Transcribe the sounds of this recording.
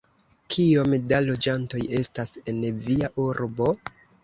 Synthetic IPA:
kʰio̞mdalo̞d͡ʒanto̞je̞stase̞nviaʔuɾbo̞

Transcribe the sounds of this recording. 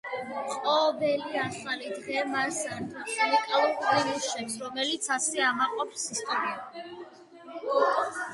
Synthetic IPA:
qʼɔːbɛliaχalid̪ʁɛmaɾsant̪ʰusilikʼalˠkʼiɾuʃɛpsɾɔmɛlit̪sʰasɛamaqʼɔpsist̪ʼɔɾi

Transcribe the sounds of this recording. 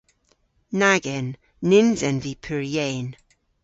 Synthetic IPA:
naɡɛnː | ɪnzɛnvipʰɪɹjɛːn

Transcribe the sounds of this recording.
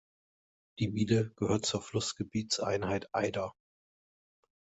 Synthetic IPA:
d̥iːmiːləɡ̥əhøːɐt̚t͡suːɐflʊsɡ̥əbiːt͡sʔa̰ɪnhaɪtʰʔa̰ɪdɐ

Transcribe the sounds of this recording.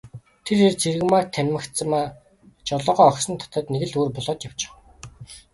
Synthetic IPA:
t̪ʰerirt͡sʰeɾɘ̆ɣmart̪ʰænʲmɘ̆xt͡səmaː | t͡ɕɔɮɞːʁɔːɔksɞ̆nt̪ʰɔ̥t̪ə̆ːt̪neɣɘ̆ɮuːrpɔɮɔːt̪jaw̥t͡ɕɪ̥̆χ

